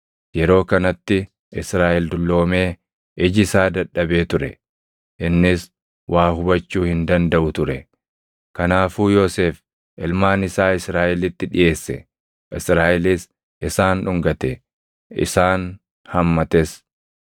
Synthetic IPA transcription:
jɛɾo̞ːkɐnɐt̪ːɪ | ʔɪsɾaːʔɛld̪ʊlːo̞ːme̞ː | ʔɪd͡ʒɪsaːd̪ɐᶑːɐbe̞ːt̪ʊɾɛ̰ | ʔɪnːɪs | wʔaːhʊbɐt͡ʃːuːhɪnd̪ɐnd̪ɐʔʊt̪ʊɾɛ | kɐnaːfuːjo̞ːse̞ːf | ʔɪlmaːnɪsaːɪsɾaːʔɪlɪt̪ːɪᶑɪ̰ʔe̞ːsːɛ̰ | ʔɪsɾaːʔɛlɪs | ʔɪsaːnʊŋɡɐt̪ɛ | ɪ̰saːn | hɐmːɐt̪es

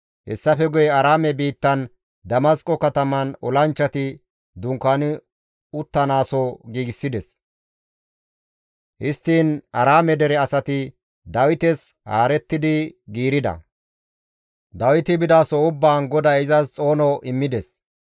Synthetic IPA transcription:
hɛ̰sːɐfɛɡʊjɛɐɾaːmɛbiːt̪ːɐn | d̪ɐmɐskʼɔkɐt̪ɐmɐnɔlɐnt͡ʃːɐt̪ɪ | d̪ʊŋkːanɪ | ʊt̪ːɐnaːsɔɡiːɡɪsːɪd̪ɛs | hɪst̪ːiːnɐɾaːmɛd̪ɛɾɛɐsɐt̪ɪ | d̪ɐwɪt̪ɛs | ha̰ːɾɛt̪ːɪd̪ɪɡiːɾɪd̪ɐ̰ | d̪ɐwɪt̪ɪbɪd̪aːsɔʊbːaːnɡɔd̪ɐɪzɐst͡sʼo̞ːnɔʔɪmːɪd̪ɛs

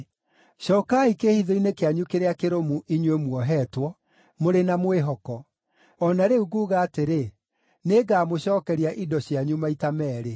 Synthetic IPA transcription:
ɕɔːkaikehiðɔinekeaɲukeɾeakeɾomuʔiɲwemwɔɦɛːtwɔ | moɾenamweɦɔkɔ | ɔnaɾeuɣuːɣaːteɾe | neɡaːmoɕɔːkɛɾiaʔidɔɕjaɲumaitamɛːɾe

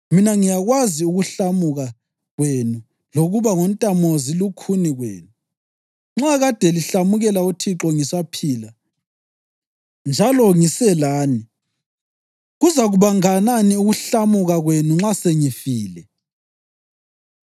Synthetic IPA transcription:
minaŋijaɣwaziuɣuɬamuɣa | ɣwenu | loɣuβaŋontʼamozilukʰuniɣwḛːnu | ŋ͡ǁaɣad̥ʱɛliɬamuɣɛlautʰiǁɔŋisapʰiːla | nd͡ʒʱalɔŋisɛlaːni | ɣuzaɣuβaŋananiuɣuɬamuɣaɣwenuŋ͡ǁaseŋifiːlɛ

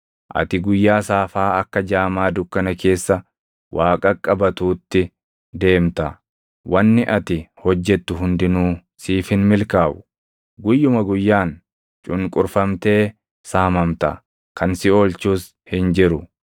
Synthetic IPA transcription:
ʔɐ̰t̪ɪɡʊjːaːsaːfaːɐkːɐd͡ʒaːmaːd̪ʊkːɐnɐke̞ːsːɐ | wʔaːkʼɐkʼːɐbɐt̪uːt̪ːɪ | d̪e̞ːmt̪ɐ | wʔɐnːɪʔɐt̪ɪhɔd͡ʒːɛt̪ːʊɦʊnd̪ɪnuː | siːfɪnmɪlkaːbʊ̥ | ɡʊjːʊmɐɡʊjːaːn | t͡ʃʼʊnkʼʊɾfɐmt̪e̞ː | saːmɐmt̪ɐ̰ | kɐnsɪo̞ːlt͡ʃuːs | hɪnd͡ʒɪɾʊ

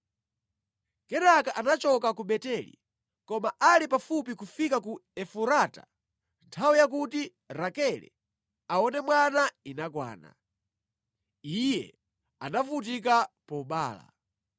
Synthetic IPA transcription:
kɛnakaʔanat͡ʃɔkakuɓɛtɛlḭ | kɔmaʔalipafup̬ikufikakuɛfuɾaːta̰ | ntʰawijak̬uti | ɾakɛlɛ̰ | aɔnɛmwanainakwa̰ːna̰ | ijɛ̰ | anavut̬ik̬apɔɓa̰ːla̰

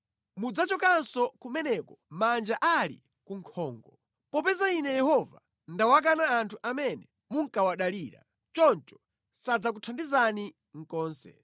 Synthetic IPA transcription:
mud͡zat͡ʃɔkansɔkumɛnɛkɔmand͡ʒaʔalḭ | kuŋkʰɔːŋɡɔ | pɔpɛzainɛjɛhɔva̰ | ndawak̬anaːntʰuʔamɛnɛ | muŋkawaɗaliːɾa̰ | t͡ʃɔnt͡ʃɔ̥ | sad͡zak̬utʰandizani | ŋ̩kɔːnsɛ̰

